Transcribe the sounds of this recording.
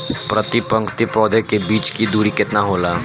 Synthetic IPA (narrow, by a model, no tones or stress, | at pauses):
pɾət̪ɪpə̃ŋkt̪ipɾɔːd̪əkebiːt͡ʃkid̪uːɾikɪt̪naɦoːlaː